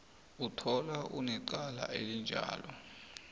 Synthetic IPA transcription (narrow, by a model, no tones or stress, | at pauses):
utʰɔlaʔunɛǃala̰elind͡ʒʱa̰ːlɔ